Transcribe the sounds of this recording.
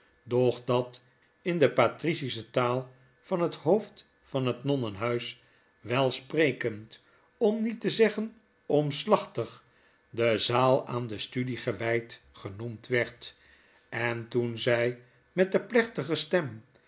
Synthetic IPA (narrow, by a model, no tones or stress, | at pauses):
dɔχdɑt | ɪndəpatrisisətaːlˠ | fɑnɦəthowft | fɑnɦətnɔnənɦœɥs | ʋɛlˠsprejkənt | ɔmnitəzɛχən | ɔmslɑχtəχ | dəzaːlˠa̰ːndəstydiχəʋɛjt | χənumtʋɛɹt | ɛntunzɛj | mɛt̚dəplɛχtəχəstɛm